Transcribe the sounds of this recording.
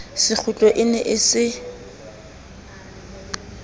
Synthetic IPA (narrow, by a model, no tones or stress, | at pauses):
sɪk͡xʰʊt͡ɬʼɔʔɪnɛʔɪsɪ